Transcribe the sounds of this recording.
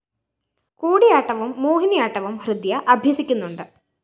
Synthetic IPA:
kuːɽijaːʈːɐʋumːoːɦinijaːʈːɐʋumhrɨd̪jɐʔɐbʱjɐsikʲːunːuɳɖɨ

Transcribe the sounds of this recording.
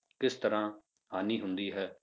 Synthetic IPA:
kɪst̪əɾãː | aːniːɦʊnd̪iːɦɛː

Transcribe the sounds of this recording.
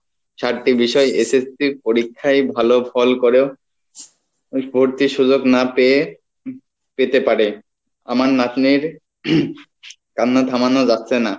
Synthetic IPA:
ʃaɾʈibiʃɔeʔesesipoɾikʰːaebʱalofɔlkoɾeo | bʱoɾt̪iʃud͡ʑoknape | pet̪epaɾe | a̰maɾnat̪niɾ | kanːod̪ʱamanod͡ʑat̪ːɕʰena

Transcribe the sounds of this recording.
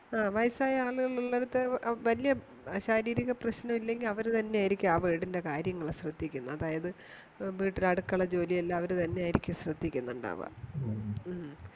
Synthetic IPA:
aːʋɐjsaːjɐaːɭuɣɐɭuɭːeɽut̪ːeʋɐlijɐ | ɐɕaːɾiːɾiɣɐprɐɕnɐmilːe̞ŋɡilɐʋɐɾt̪ɐnːe̞aːjiɾikʲːuaːʋeːɽinde̞kaːɾjɐŋːɐɭɕrɨd̪ːikʲːunːɐɐðaːjɐðɨ | biːʈːilɐɽukːɐɭɐd͡ʑo̞ːlijɐlːɐːʋɐɾut̪ɐnːe̞aːjiɾikʲːɨɕrɨd̪ːikʲːunːuɳɖa̰ːʋa̰

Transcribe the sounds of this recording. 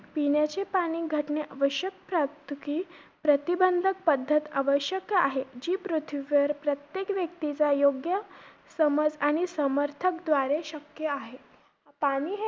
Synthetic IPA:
pinjat͡ɕepaɽ̃iːɡʱəʈneʔəʋəɕjək̚pɾap̚t̪ukiː | pɾət̪ibənd̪ʱək̚pəd̪ʱːət̪aʋəɕjəkaɦed͡ʑiːpɾut̪ʰiʋəɾpɾət̪jekʋjək̚t̪it͡sajoɡjə | səməd͡zaɽ̃isəməɾt̪ʰəkd̪ʋaɾeɕəkjəaɦe | paɽ̃iːɦ

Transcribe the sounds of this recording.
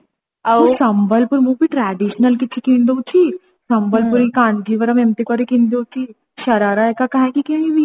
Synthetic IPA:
ɐsɐmbəlpʊɾmũbiʈɾɛːɖiʃnəlkit̪ʰːikĩnd̪oːt͡ʃʰi | sɐmbəlpuɾikãːɳd͡ʒiʋəɾɐmemt̪ikaɾikĩːnd̪oːt͡ʃʰi | ʃɐɾaːɾaekakaɦẽkikinibʱi

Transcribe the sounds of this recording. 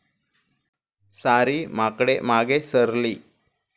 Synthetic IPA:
saɾiːmakɽemaɡesəɾliː

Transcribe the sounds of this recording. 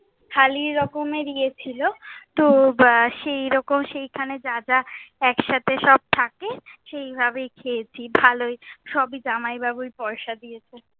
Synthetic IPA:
kʰaliɾɾɔkomeɾijet͡ɕʰilot̪oʃejɾɔkomʃejkʰaned͡ʑad͡ʑaɛkʃat̪ʰeʃɔb̚t̪ʰakeʃejbʱaβejkʰejt͡ɕʰibʱalojʃɔbid͡ʑanajbabujpɔɾʃad̪ijet͡ɕʰe

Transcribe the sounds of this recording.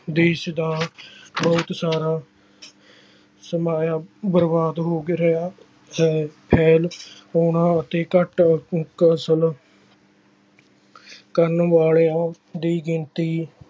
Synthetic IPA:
d̪eːʃd̪aːbɔːt̪saːɾaː | səmaːjaːbəɾbaːd̪ɦoːɡeɾəaː | ɦɛːpʰɛːloːnãːət̪eːkəʈkəsəl | kəɾənʋaːleːãː | d̪iːɡɪnt̪iː

